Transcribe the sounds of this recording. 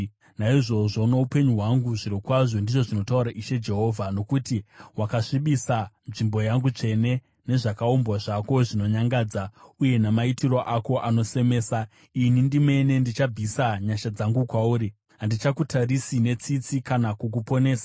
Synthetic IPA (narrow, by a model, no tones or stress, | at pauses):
naiʐo̞ʐo̞noupe̞ɲuɦwaŋɡuʐiɾokwaʐo̞ndiʐo̞ʐino̞tauɾaʔiʃe̞d͡ʒe̞ɦo̞ːvʱano̞kutiwakaʂiɓisanʐimbo̞jaŋɡut͡ʂe̞ne̞ | ne̞ʐakaombwaʐako̞ʐino̞ɲaŋɡaːd͡zauje̞namaitiro̞ʔako̞ʔano̞se̞me̞ːsa | inindime̞ne̞ndit͡ʃab͡visaɲaʃad͡zaŋɡukwauːɾi | ɦandit͡ʃakutʰarisine̞t͡sit͡sikanakuk̬upo̞ne̞ːsḁ